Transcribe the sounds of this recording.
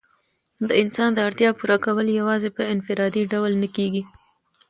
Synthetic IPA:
d̪əɪnsɑnd̪əaɾt̪jɑpuɾɑkawəljawɑzepəɪnfɪɾɑd̪iɖawlnəkeɡi

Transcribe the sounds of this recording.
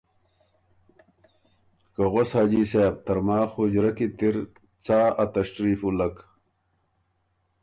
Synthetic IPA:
kɐɣoshaːd͡ʑiseːb̚t̪ɐɾmaːxud͡ʑɾɐkit̪iɾ | t͡saːat̪ɐʂʈɾiːfulɐk

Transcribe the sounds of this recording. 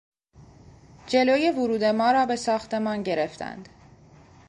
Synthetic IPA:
d͡ʒe̞loːjevʊɾuːd̪e̞mɒːɾɒːbe̞sɒːxt̪ʰe̞mɒːnɟe̞ɾe̞ft̪ʰæ̰nd̪̥

